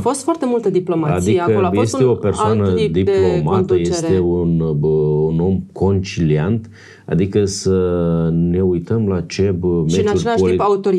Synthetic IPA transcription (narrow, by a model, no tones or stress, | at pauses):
fo̞st̪foart̪emult̪əd̪iplo̞maaad̪iakəoaje̞st̪e̞o̞persoanəd̪iplo̞mat̪əje̞st̪eununo̞mkʰo̞nt͡ʃiliant̪ | a̰d̪ikəsəne̞ujt̪əmlat͡ʃe̞bmensaueaoiaut̪oɾi